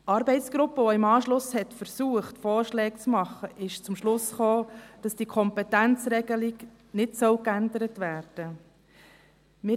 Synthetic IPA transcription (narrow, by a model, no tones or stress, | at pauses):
ɑːɾbɛɪtt͡sɡ̥ɾʊpːəʋɔɪmɑːʃlʊshɛtfəɾsuːəχtfɔːɾʃlɛːk̚t͡smɑχːəʔɪʃt͡sʊmʃlʊsχoːd̥ɑsd̥iːkʰɔmpɛtænt͡sɾɛɡəliɡ | nɪtsœwkændəɾətʋæːɾd̥ə | mɪ